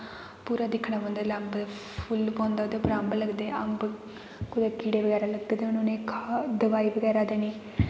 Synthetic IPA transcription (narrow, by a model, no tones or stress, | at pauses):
puːɾaːd̪ɪkʰɽaːbɔ̃ːnd̪aləmb̪pʰʊlpɔ̃ːnd̪aːoːd̪epəɾəmbləɡd̪eːəmb | kʊd̪eːkiːɽeːbəɡɛːɾaːləɡ̚d̪eːd̪eʊnonẽːkʰad̪əʋaːiːbəɡɛːɾaːd̪eːniː